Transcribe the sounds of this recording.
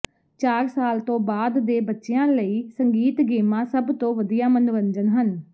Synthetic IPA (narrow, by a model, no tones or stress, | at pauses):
t͡ʃaːɾsaːlt̪õːbaːd̪ːeːbətːʃeãːləiːsəŋɡiːt̪ɡeːmãːsəbt̪õːʋəd̪ijaːmənʊʋəɲd͡ʒənɦən